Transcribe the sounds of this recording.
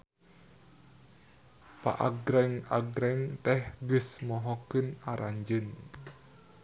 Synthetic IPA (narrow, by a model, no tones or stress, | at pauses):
pa̰ʔa̰ɡɾɛŋaɡɾɛŋt̪ɛhɡɨsmɔɦɔkɨnaɾʔaɲd͡ʒən